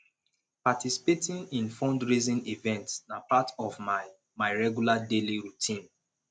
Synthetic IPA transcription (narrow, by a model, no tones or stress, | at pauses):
patisi̥petĩnĩnfɔ̃ndɹizĩnivɛ̃ntsnapatɔvma | maɪɹɛɡjuladeliɹutʰĩn